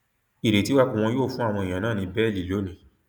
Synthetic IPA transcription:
i˨ɾe˨ti˨˦wa˦kũ˦˧w̃ɔ̃˧joː˦˨fũ˦a˦˨w̃ɔ̃˧i˨j̃ã˨nãː˦˨nĩ˧bɛ˦˨li˨˦˨lo˨˦nĩ˧

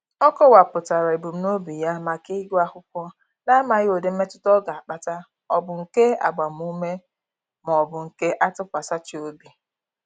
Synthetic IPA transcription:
ɔ˦kɔ˦wa˨pʊ˨ta˨ɾa˨i˨bu˨m̩˦no˦bi˨ja˦ma˨ki˦ɡu˦a˦hʊ˦kʷɔ˦ | na˦ma˨ɣɪ˦o˨de˨m̩˦me˦tʊ̥˦tɔ˦ɡa˨a˨k͡pa˨ta˦ | ɔ˦bʊ˨ŋ̩˨ke˦a̰˨ɡ͡ba˨m̩˨u˦me˦ | mɔ˨bʊ˨ŋ̩˨ke˦ʔa˦tʊ˦kʷa˨sa˦t͡ʃi˨˦o˦bi˨

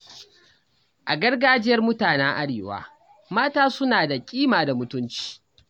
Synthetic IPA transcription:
ʔa˨ɡɐ˦rɡaː˦d͡ʒɪ˦jɐ˦rmʊ˦taː˨nɛ˦ŋʔa˦ɽeː˨wa̰ː˦ | maː˦taː˦sʊ˦naː˨da˨kʲʼiː˦maː˨da˨mʊ˦tʊ˦nt͡ʃi̥ː˦

